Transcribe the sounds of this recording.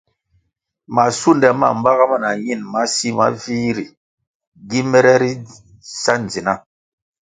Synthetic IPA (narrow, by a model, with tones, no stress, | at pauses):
ma˨su˦ndɛ˨ma̰˦˨mba˦ɣa˦ma˦na˨ɲi˦˨nma˦si˦ma̰˦vi˦ɾi˨ | ɡi˦mɛ˦ɾɛ˦ɾi˦ | sa˦n˨d͡zi˨na˦˨